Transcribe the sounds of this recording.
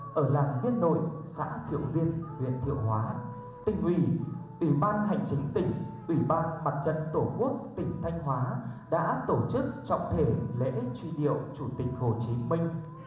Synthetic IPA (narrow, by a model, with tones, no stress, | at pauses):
ʔəː˧˩laː˨˩nɣi˧ənːo̰˧˨jsa̰ː˧˥t̪ʰḭ˧˨əwvi˧ənwḭ˧˨ənt̪ʰḭ˧˨əwɦwaː˨˦ | t̪ï˨˩ŋ̟ʔwi˧˩ʔwi˧˩ɓaː˧nɦa̰˧˨jŋ̟t͡ɕi˨˦ŋ̟t̪ï˧˩ŋ̟ʔwi˧˩ɓaː˧nma˨˩t̚t͡ɕə̰˧˨nt̪o˧˩ku˦˥ək̚t̪ï˨˧˩ŋ̟t̪ʰa˧jŋ̟ɦwaː˨˦ɗa̰ː˧˥t̪o˧˩t͡ɕɨ˦˥k̚t͡ɕɔ̰˧˨wŋ͡mt̪ʰe˧˩lḛ˧˥t͡ɕwi˧ɗḭ˧˨əwt͡ɕu˧˩t̪ï˨˩k̟̚ho˨˩t͡ɕi˨˦mï˧ŋ̟